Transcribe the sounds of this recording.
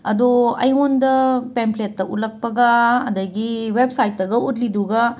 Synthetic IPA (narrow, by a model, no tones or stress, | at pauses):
ɐdoɐ̰jɦondɐpempletːɐʔutlɐk̚pɐɡɐ̰ːdɐɡiwep̚sajt̚ːɐɡɐutliduɡɐ